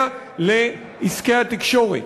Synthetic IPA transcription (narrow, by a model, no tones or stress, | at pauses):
le | iskeat̪ikʃoʁḭ